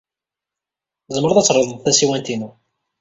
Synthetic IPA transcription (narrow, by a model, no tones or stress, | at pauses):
zəmːəɾˤðæt͡sːɾˤːeðˤəðˤθæsiwænt̪inu